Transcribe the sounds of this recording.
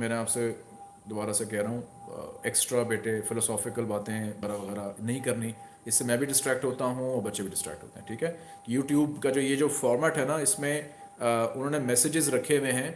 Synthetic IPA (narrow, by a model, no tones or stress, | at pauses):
mɛːneaːpse | d̪obaːɾasekɛɦɾaɦũːeːksʈɾabeːʈefɪlɔːsɔːfɪkəlbaːt̪ẽbɐɾaʋɐɣɛːɾanɐɦĩkɐɾni | ɪsːemɛ̃ːbʱiɖɪsʈɾɛːk̚ʈɦoːt̪aɦũɔːɾbɐtːʃebʱiɖɪsʈɾɛ̰ːkʈɦo̰ːt̪ḛɦɛ̃ʈʰiːkɦɛː | juːʈjuːbkad͡ʒoːjed͡ʒoːfɔːɾmɛːʈɦɛnaɪsmẽ | ʊnɦõːnemɛsɪd͡ʒɪzɾɐkʰemẽɦɛ̃ː